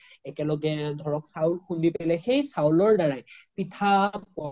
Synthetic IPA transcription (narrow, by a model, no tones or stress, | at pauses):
ɛkɛlɔɡɛdʱɔɹɔksawlxundipajlɛxejsawlɔɹdaɹajpitʰapɔ